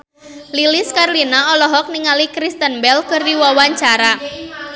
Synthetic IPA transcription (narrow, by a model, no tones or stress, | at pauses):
lilɪskarlinaɔlɔɦɔk̚niŋalikɾist̪ənbɛlkɨrdiwawaɲt͡ʃaɾa